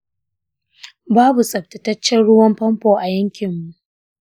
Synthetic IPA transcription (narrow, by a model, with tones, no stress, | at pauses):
baː˦bu˨sʼɐ˨ɸ̚tɐ˨tɐ˦t͡ʃːɛ˦ɽʊ˦wɐ˦mpɐ˦mpoː˨ʔa˨jɐ˦ŋkʲɪ˨mːu˨ʔ